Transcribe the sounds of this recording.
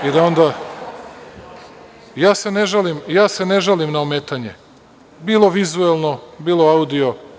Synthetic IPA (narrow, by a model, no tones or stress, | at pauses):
id̪ao̞nd̪a | jaːse̞neʒalimjaːse̞ne̞ʒalimnaomeːt̪aɲḛ | biːlˠo̞ʋizuelˠno̞biːlˠo̞aud̪io̞